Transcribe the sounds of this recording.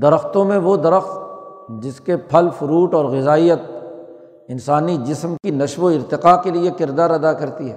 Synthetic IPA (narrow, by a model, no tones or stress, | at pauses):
d̪ɐɾəxt̪õmẽʋod̪ɐɾəxt̪d͡ʒɪskepʰɐlfʊɾuːʈɔːɾɣɪzaːijət̪̚ | ɪnsaːnid͡ʒɪsmkinɐʃʋoɪɾt̪ɪqakeliekɪɾd̪aːɾɐd̪akɐɾt̪iɦɛː